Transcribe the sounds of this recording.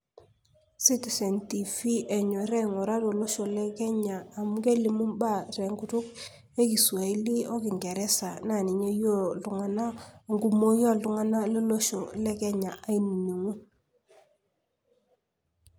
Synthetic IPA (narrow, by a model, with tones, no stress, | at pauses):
si˦ti˨sɛ˨nti˨fi˦ʔe˨ɲɔ˨ɾɛ˦ŋo˨ɾa˦to˨lo˦ʃo˨lɛ˦kɛ˦ɲaː˨mu˦ke˦li˨mu˦nba˦˨ɾɛ˨ŋɡu˨tu˦k̚ | e˦ki˨swa˨i˦li˦o˦ki˨ŋɡɛ˨ɾɛ˦sa˨na˨ni˨ɲe˦jo˦˨ldu˨ŋa˦na˦˨ŋɡu˦mo˦jo˦˨ldu˨˦ŋa˦na˦le˦lo˦ʃo˨lɛ˦kɛ˦ɲa˨ʔa˦i˦˨ni˨ɲe˨ŋu˦